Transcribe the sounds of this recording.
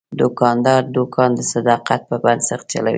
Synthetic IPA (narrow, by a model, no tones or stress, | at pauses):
d̪ʊkɑnd̪ɑɾd̪okʰɑnd̪əsad̪ɑqat̪̚pəband̪saxt̪̚t͡ʃa̰la̰wḭ